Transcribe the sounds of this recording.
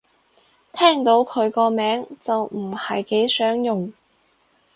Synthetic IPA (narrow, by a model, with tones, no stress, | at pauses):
t̪ʰɛː˥˩ŋt̪o˨˥wkʰɵ˨˧ɥkɔː˧mɛː˨˥ŋt͡sɐ˨wm̩˨˩hɐ˨jke˨˥jsœː˨˥ŋjʊ˨ŋ